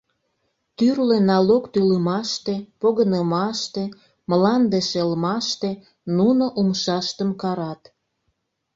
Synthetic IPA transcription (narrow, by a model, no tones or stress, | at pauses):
t̪yrlenɑlokt̪yləmɑʃt̪epoɣənəmɑʃt̪e | məlɑnd̪eʃelmɑʃt̪e | nunoʔumʃɑʃt̪əmkɑɾɑt̪